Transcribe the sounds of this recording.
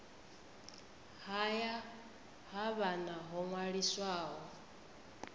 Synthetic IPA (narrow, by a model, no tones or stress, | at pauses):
haja | ɦaβanaɦɔŋwaɺiswaːɦɔ